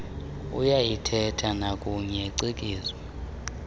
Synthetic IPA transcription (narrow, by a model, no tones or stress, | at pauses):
ṵjajitʰɛtʰanakʼuɲɛǀikʼiːzwa